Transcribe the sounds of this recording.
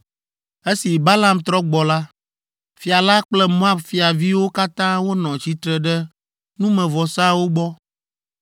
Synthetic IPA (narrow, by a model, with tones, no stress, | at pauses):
e˦si˨ba˦la˨mt̪ɾɔ˦ɡ͡bɔ˨la˦ | fi˨a˨la˦k͡plɛ˦mõ˦a˦bfi˨a˨vi˦wo˦ka˦t̪ã˦wo˦nɔ̃˨t͡ɕi˦t̪ɾɛ˨ɖɛ˦ | nũ˦mɛ̃˨vɔ˨sa˦wo˦ɡ͡bɔ˦